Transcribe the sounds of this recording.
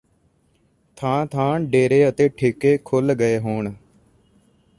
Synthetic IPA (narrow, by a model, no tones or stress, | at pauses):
t̪ʰãːt̪ʰãːɖeːɾeːət̪eːʈʰɪkeːkʰʊlɡəeːɦoːɳ